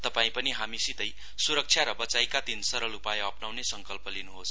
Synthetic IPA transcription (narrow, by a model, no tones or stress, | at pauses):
t̪ʌpaĩpʌniɦamisit̪ʌj | suɾʌk̚t͡sʰjaɾʌbʌt͡sajkat̪insʌɾʌlupajʌpnawnesʌŋkʌlpʌlinuɦos